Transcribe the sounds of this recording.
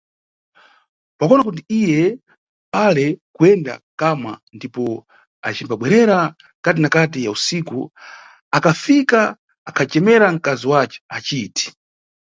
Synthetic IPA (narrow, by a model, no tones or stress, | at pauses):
pakɔnakut̬iijɛ | palɛkuɛnda̰kama̰ndipɔ | a̰t͡ʃimbaɓwɛɾɛɾa | ŋkat̬inakat̬ijausikṵ | akafikaː | kʰat͡ʃɛmɛɾaŋ̩kaziwat͡ʃɛ̥at͡ʃiti̥